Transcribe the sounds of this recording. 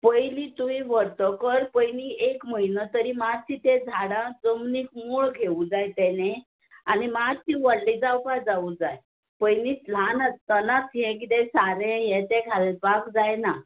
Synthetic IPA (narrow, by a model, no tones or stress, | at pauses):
pəjlit̪uĩʋəɽt̪əkəɾpəjniekməɦinət̪əɾimad͡zt͡ɕit̪ed͡zʱaɽãd͡zəmniːkmuɭɡʱeud͡zajt̪ɛne | animat͡ɕĩʋəɽlid͡zawpad͡zaud͡zaj | pəjnit͡sl̤anət͡st̪ənat͡sɦɛ̃kit̪ɛ̃saɾẽjɛt̪ɛkʰalepakd͡zajna